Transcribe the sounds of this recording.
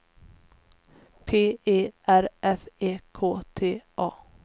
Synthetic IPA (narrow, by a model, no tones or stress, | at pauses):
pʰeːeːʔæɾʔɛfeːkʰoːt̪ʰeːʔɑː